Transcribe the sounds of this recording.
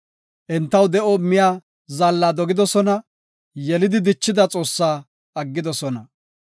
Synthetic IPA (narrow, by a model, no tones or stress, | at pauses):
ʔɛnt̪ːɐwd̪ɛʔɔmɪjaː | zalːaːd̪ɔɡɪd̪ɔsɔnɐ | jɛlɪd̪ɪd̪ɪt͡ʃːɪd̪ɐt͡sʼo̞ːsːaː | ɐɡːɪd̪ɔsɔnɐ